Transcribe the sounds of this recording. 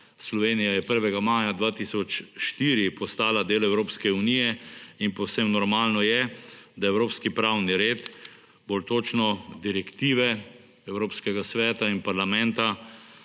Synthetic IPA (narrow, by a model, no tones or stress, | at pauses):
slɔʋenijajɛpəɾʋɛɡamaːjad̪ʋaːt̪iːsɔt͡ʃʃt̪iːɾipɔst̪aːlad̪eːlɛwɾoːpskɛunijɛinpɔwsemnɔɾmaːlnɔjɛd̪aɛwɾoːpskipɾaːwniɾeːt̪ | bolt̪oːt͡ʃnɔd̪iɾɛkt̪iːʋɛ | ɛwɾoːpskɛɡasʋɛːt̪ainpaɾlamɛnt̪a